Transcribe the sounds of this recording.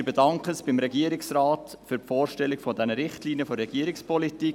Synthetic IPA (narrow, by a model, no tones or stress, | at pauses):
b̥edɑŋkəsb̥ɪmɾɛɡiːəɾɪksraːt | fyːɾfɔːrʃtɛlɪkfɔdɛnəɾɪχtliːnjəfɔɾɛɡ̥iːɾɪkspʰɔlitiː